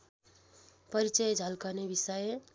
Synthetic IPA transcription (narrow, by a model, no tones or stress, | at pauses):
pʌɾit͡ʃʌjd͡zʱʌlkʌnebisʌje